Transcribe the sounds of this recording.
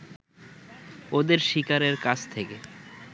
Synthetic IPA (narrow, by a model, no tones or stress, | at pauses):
od̪eɾʃikaɾeɾkat͡ɕt̪ʰeke